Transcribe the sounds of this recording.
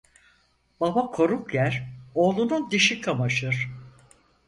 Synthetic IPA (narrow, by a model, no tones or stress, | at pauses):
b̥abakʰo̞ɾukjæɾo̞ːlˠunund̪iʃikʰamaʃɯɾ̥